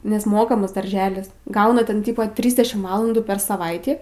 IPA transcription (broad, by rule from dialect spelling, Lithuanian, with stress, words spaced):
nʲɛs ˈmoːkɐmɐs dɐrʲˈʒʲæːlʲɪs ˈɡɐʊnɐ tʲɛn ˈtʲiːpoː ˈtʲrʲiːzʲdʲɛʃʲɪm ˈʋɑːlˠɐnduː pʲɛr sɐˈʋɐɪtʲiː